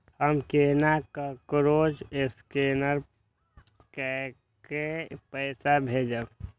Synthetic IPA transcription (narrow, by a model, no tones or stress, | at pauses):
ɦəmkeːnakəkɾoːd͡ʒɪskeːnəɾ | kɛ | kepəɪsabʱed͡ʒə